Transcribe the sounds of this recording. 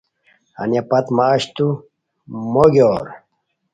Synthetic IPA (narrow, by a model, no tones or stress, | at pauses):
a̰njapɐt̪maːɕt̪u | moɡoːɾ